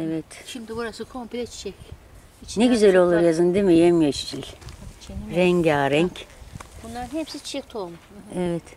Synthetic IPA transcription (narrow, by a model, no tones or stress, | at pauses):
evɛt̪ʃimd̪ibuɾasɯkʰompʰilʲɛt͡ʃʰi̥t͡ʃʰɛc | neɟyzɛlʲo̞lˠuɾjazɯnd̪emijɛmjat͡ʃt͡ʃʰilʲ | ɾɛɲɟaːɾɛɲcb̥unlˠaɾɯnhepsit͡ʃʰi̥t͡ʃʰɛk̚ʲt̪ʰomuɛvɛt̪